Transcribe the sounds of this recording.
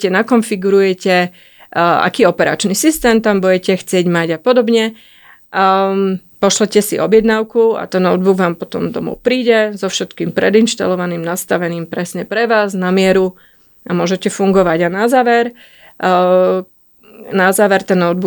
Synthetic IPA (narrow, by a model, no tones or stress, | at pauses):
cɛnakɔnfiɡuɾujɛcɛ | a̰kiːɔpɛɾa̰t͡ʃnisist̪ɛːmt̪ambujɛcɛxt͡sɪɛɟmaɟapɔd̪ɔbɲɛ | pɔʃlɛcɛsiɔbjɛd̪naʊkua̰t̪ɛnɔd̪̚buɡʋaːmpɔt̪ɔmd̪ɔ̰mɔ̰ʊpɾiːɟɛzɔfʃɛt̪kiːmpɾɛd̪inʃt̪a̰lɔʋaniːmnast̪aʋɛniːmpɾɛsɲɛpɾɛʋaːznamɪɛɾu | amʊɔʒɛcɛfuŋɡɔʋaɟanazaːʋɛɾ | nazaːʋɛɾt̪ɛnɔʊd̪̚bu